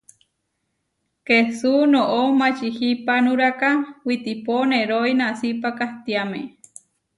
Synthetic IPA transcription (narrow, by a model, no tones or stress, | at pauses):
kesunoʔomat͡ʃihipanũɾakawit̪iponeɾojnasipakaht̪iamḛ